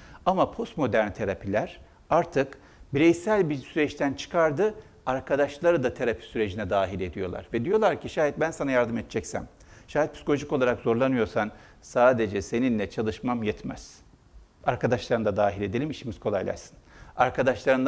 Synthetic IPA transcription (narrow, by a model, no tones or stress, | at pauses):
amapʰo̞st̪mo̞d̪æɾnʲt̪ʰe̞ɾapʰilʲæɾ̥ | aɾt̪ʰɯk | biɾɛjsælʲbisyɾɛt͡ʃt̪ʰænt͡ʃʰɯ̥kʰaɾd̪ɯ | aɾkʰad̪aʃlˠaɾɯd̪at̪ʰe̞ɾapʰi̥syɾe̞d͡ʒinɛd̪aːɦilʲe̞d̪ijo̞lˠa̰ɾvɛd̪ijo̞lˠaɾcʰiʃaːɦit̪̚bænsanajaɾd̪ɯmet̪t͡ʃʰɛcsæ̰m | ʃaːɦit̪̚pʰi̥si̥ko̞lʲoʒiko̞lˠaɾakzo̞ɾlˠanɯjo̞ɾsan | saːd̪e̞d͡ʒɛse̞ninlʲɛt͡ʃʰalˠɯʃmamjɛt̪mɛz̥ | aɾkad̪aʃlˠaɾɯnd̪ad̪aːɦilʲe̞d̪e̞lʲimit͡ʃʰimiz̥kʰo̞lˠa̰jlʲˠa̰ʃsɯ̥naɾkʰad̪aʃlˠaɾɯn